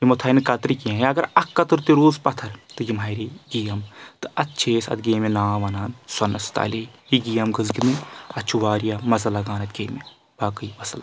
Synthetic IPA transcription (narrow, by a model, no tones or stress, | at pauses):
jimɐt̪ʰaːinɨkɐt̪ɾikiãjɐɡɐɾɐkːɐt̪ɨɾt̪iɾuːzpɐt̪ʰɐɾt̪ɨjimaːjɾiɡijɐmt̪ɨɐtːt͡ʃʰeːsɐ̰t̪ɡeːmenaːʋɐnaːnsɐnɐst̪a̰ːlijiɡijɐmɡɨzɡinɨɐt͡ʃʰuʋaːɾijamɐzɐlɐɡaːnɐt̪ɡeːme | b̥aːkɐibɐsla